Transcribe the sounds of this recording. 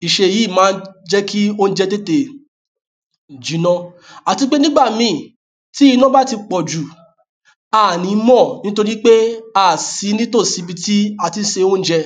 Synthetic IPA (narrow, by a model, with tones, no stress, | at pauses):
i˨ʃe˧˨ji˨˦˨mãː˨˦d͡ʒɛ˦kʰi˦o˦n̩˦d͡ʒɛ˧te˦te˨ | d͡ʒi˨˦nɔ̃˦ | a˨ti˨˧k͡pe˦nĩ˦ɡ͡ba˦˨mĩ˨˦˨ | ti˦i˦˧˦nɔ̃˦ba˦ti˧k͡pɔ˨d͡ʒu˨ | a˦˨nĩ˨˦mɔ̃˦˨nĩ˦to˧ɾi˦k͡pe˦a˦˨si˨˦nĩ˦to˦˨si˨˦bi˧ti˦a˧ti˧n̩˦ʃe˧˦o˦n̩˦d͡ʒɛ˧